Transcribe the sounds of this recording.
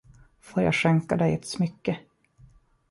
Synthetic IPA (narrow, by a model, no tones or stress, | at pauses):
foːɾja̰ːɡʂɛŋkad̪ɛjɛt̪smʏkːə